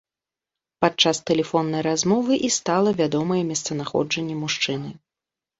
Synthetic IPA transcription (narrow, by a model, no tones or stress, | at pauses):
pat̚t͡ʂast̪ɛlʲɛfɔnːɐjɾazmɔvɨʔist̪alˠɐvʲad̪ɔmɐjɛmʲɛst̪sɐnaxɔ̰d͡ʐɐnʲːɛmuʂt͡ʂɨnɨ